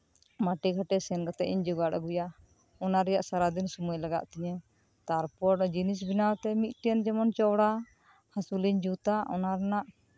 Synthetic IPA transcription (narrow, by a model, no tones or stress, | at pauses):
maʈikʰaʈɛsɛnkat̪ɛiɲd͡ʒɔɡaɽa̰ɡuja | ɔnaɾɛjaʔsaɾad̪insumujlaɡa̰ʔt̪ɛɲɛ | t̪aɾpɔɾd͡ʒinis̬binawt̪ɛmit̪̚ʈiɛnd͡ʒɛmɔnt͡ʃɔwɽa | hasuliɲd͡ʒut̪aʔɔnaɾɛnaʔ